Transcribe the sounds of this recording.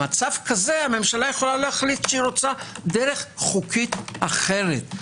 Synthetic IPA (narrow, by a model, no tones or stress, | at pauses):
at͡savkaze̞ame̞mʃalajeχolalohaχlit̪ʃeiɾo̞t͡sad̪eʁe̞χχukʰit̪aχeʁet̪